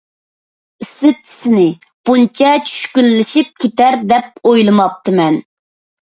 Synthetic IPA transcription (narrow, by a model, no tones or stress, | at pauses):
isɪt͡ʃʰi̥sɪnɪ | b̥unt͡ʃʰɛt͡ʃʰy̥ʃkʲylːɪʃip̚kʲʰet̪æɾd̪ɛp̚ojlˠɨmɑp̚t̪ʰɨmɛn